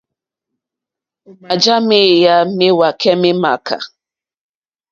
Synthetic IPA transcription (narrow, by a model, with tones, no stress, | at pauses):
ʊ˨ma˨d͡ʒa˦mɪ˦˨ja˦mɪ˦wa˨ke˦mɪ˦ma˨ka̰˨